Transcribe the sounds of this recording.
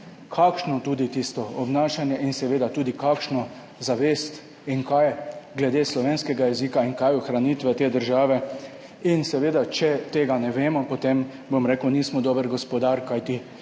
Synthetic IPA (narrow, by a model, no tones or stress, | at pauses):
kʰakʃnɔt̪uːd̪it̪ist̪ɔɔbnaːʃanjɛʔinsɛʋeːd̪at̪uːd̪ikaːkʃnɔ | zaʋest̪ | iŋkajɡlɛd̪eːslɔʋenskɛɡajɛzikaiŋkaːjuxɾaniːt̪ʋɛt̪eːd̪əɾʒaːʋɛ | insɛʋeːd̪at͡ʃɛt̪eːɡanɛʋeːmɔpɔt̪em | bomɾeːkwniːsmɔd̪oːbəɾɡɔspɔd̪aɾkajt̪i